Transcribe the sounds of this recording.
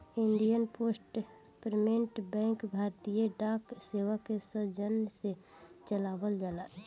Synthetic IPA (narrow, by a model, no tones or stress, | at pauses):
ɪ̃nɖijənpoːsʈ | pɾmẽɳʈbɛ̃ːŋkbʱaːɾt̪ijeɖaːkseːwakesəd͡ʒənse | t͡ʃəlaːbəld͡ʒəlaː